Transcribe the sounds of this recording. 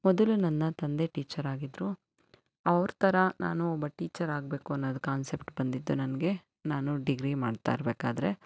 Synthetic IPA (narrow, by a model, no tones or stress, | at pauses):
mɔd̪ɐlunɐnːɐt̪ɐnd̪e̞ʈiːt͡ʃɐɾaːɡid̪ɾu | ɐʋɐɾt̪ʰɐɾɐna̰ːnuɔbːɐʈiːt͡ʃɐɾaːɡbe̞ːkuɐnːoːd̪ɐkaːnsepʈbɐnd̪id̪ːunɐnɐɡe̞ | naːnuɖiɡɾimaːɖt̪a̰iɾbeːkaːd̪ɐɾe̞